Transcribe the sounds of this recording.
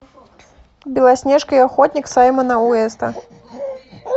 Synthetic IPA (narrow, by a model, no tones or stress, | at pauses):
bʲilˠasʲnʲɛʂkɐjaxɔt̪ʲnʲiksajmɐnɐuɛst̪ɐ